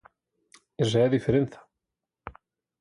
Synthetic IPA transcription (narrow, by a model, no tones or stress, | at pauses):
ɛs̬ɛðifɪɾnθḁ